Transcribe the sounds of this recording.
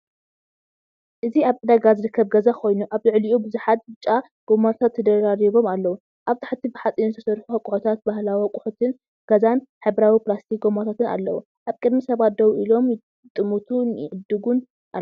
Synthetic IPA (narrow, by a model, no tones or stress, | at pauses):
ʔɨziaβʔɨd̪aɡazɨɾɨkʰːɐβɡɐzakʰo̞jnuʔaβlɨʕliʔubɨzuħat̪̚bɨt͡ʃʼːa | ɡ̥omat̪ʰat̪ʰːɐd̪ɐɾaɾiβo̞malːɐwu | ʔaβt̪ʰḁħt̪ʰːibɨħat͡sʼinzɨt̪ʰɐ̥sɐɾħuhɐkʼuħot̪ʰat̪̚bahlawihɐkʼuħot̪ʰɨn | ɡ̥ɐzanħɨβɾawipɾast̪ʰiɡomat̪ʰat̪ɨna̰lːɐwu | ʔaβkʼɨd̪misɐβat̪̚d̪ɐwʔilo̞m | t̪ʼɨmut̪ʰunjɪʕɨd̪ɨɡun | ʔa̰